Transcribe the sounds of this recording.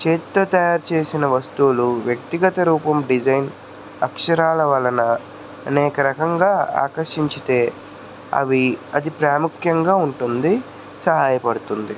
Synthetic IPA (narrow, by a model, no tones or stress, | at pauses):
t͡ʃeːt̪ːɐt̪ɐjaːɾt͡ʃe̞ːsinɐʋɐst̪uluʋjɐk̚t̪iɡɐt̪ɐɾuːpɐmɖid͡ʒɐjn | ɐkʂɐɾaːlɐʋɐlːɐnɐ | ɐneːkɐɾɐkɐŋɡaːa̰ːkɐɾʂiɲt͡ʃit̪e̞ː | ɐ̰ʋiɐd̪ipɾaːmukʰjɐŋɡaːuɳʈund̪i | sɐɦaːjɐpɐɽut̪und̪i